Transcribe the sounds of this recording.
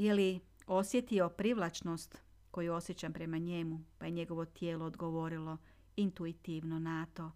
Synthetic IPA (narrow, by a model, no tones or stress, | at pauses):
jeli | o̞sje̞t̪io̞pɾiʋlˠat͡ʃnost̪ | ko̞juo̞sjet͡ɕampɾe̞maɲe̞mupaje̞ɲe̞ɡo̞ʋo̞t̪jeːlo̞ːd̪ɡo̞ʋo̞ɾilo̞ | int̪uit̪iʋnonat̪o̞